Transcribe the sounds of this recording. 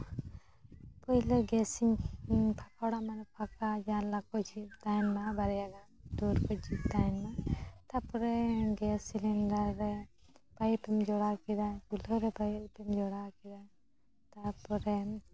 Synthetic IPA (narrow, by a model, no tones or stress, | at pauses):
pɔilɔɡɛsiɲpʰakawɽamanɔpʰakad͡ʒanlakɔd͡ʒit̪ajnmabaɾɛjaɡad̪ɔɾkɔd͡ʒit̪anmat̪apɔɾɛɡɛsilindaɾɾɛ | pajpɛmd͡ʒɔɽakid̪akulɔɾɛbapɛmd͡ʒɔɽakid̪a | t̪apɔɾɛ